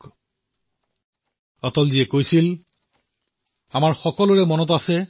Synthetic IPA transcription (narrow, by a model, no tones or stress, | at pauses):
ɔtɔlziɛkojsil | amaɹxɔkɔlʊɹɛmɔnɔt̬asɛ